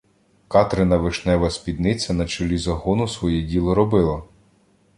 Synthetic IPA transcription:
kɑt̪ɾɪnɐʋɪʃnɛʋɐsʲpʲid̪nɪt͡sʲɐnɐt͡ʃɔlʲizɐɦɔnʊsʋɔjɛdʲilˠɔɾɔbɪlˠɐ

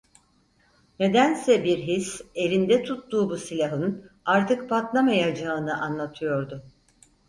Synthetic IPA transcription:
ne̞d̪ænsɛbiɾɦise̞lʲind̪ɛt̪ʰut̪d̪uːbusilʲaɦɯn | aɾt̪ʰɯkpʰat̪lˠamajad͡ʒaɯnɯʔanlˠat̪ʰɯjo̞ɾd̪ʊ

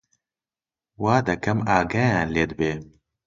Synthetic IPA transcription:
waːd̪ɐkɐmaːɡɐjaːnleːd̪ɨbeː

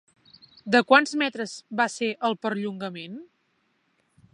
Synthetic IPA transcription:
d̪əkwanzmɛt̪ɾəzβaseʔəlˠpəɾʎuŋɡəmen

